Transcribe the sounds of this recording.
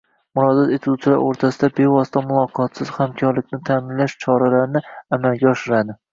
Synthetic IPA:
mʊɾɒd̪at̪et̪ʰut͡ʃʰɪla̰ɾoɾt̪ʰasɪd̪abe̞vɒst̪ʰamʊlˠɒqʰɒt̪sɪz̥hamkʲʰɒɾlɪkʲnɪt̪ʰamɪnlaʃt͡ʃʰɒɾalaɾnɪamalɡʲaɒʃɪɾad̪ɪ

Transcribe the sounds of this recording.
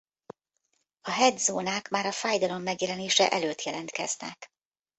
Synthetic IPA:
ɒɦɛd̪zoːnaːkmaːɾɒfaːjd̪ɒlo̞mːɛɡjɛlɛneːʃɛʔɛløːt̪jɛlɛnt̪kɛ̰znɛ̰k

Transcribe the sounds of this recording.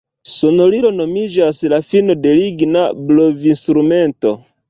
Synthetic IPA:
so̞no̞liɾo̞no̞mid͡ʒaslafino̞de̞liɡnablovinst̪ɾume̞nto̞

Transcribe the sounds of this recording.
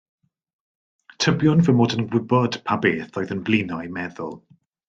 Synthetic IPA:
tʰəbjʊnvəmoːdənɡwɪbɔd̥pʰabeːθɔjðənvlˠiːnajmɛðʊ̰lˠ

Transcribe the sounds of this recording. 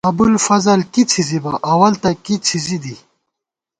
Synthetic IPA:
ɐbulfɐzɐlkit͡sʰizibaʔɐwɐlt̪ɐkit͡sʰizid̪i

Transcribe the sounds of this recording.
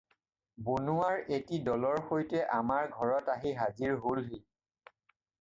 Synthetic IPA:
bonuaɹetidɔlɔɹxojtɛʔamaɹɡʱɔɹɔtaɦiɦaziɹɦolɦi

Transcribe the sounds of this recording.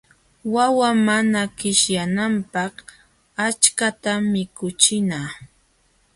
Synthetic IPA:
wawamanakɪʃjanampɑχ | at͡ʃkat̪amɪkʊt͡ʃɪnaː

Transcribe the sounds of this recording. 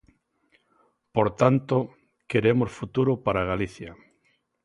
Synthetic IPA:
poɾt̪ant̪o | keɾemosfut̪uɾʊpaɾaɣaliθja

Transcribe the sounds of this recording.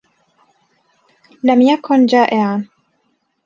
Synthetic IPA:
lamjakʊnd͡ʒaːʔɪʕan

